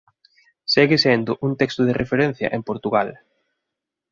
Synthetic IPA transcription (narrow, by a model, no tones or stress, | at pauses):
sɛɣesend̪ʊʔuŋt̪ɛkst̪ʊðerʔefeɾɛn̟θjɐ̰ʔempoɾt̪uɣal